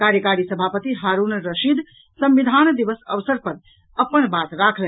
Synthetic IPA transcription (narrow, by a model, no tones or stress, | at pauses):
kaɾjəkaɾisəbʱapət̪iɦaɾunɾəʃid̪ʱ | sə̃mbid̪ʱand̪iʋəsəʋəsəɾpəɾ | əpənbat̪ɾakʰlɛ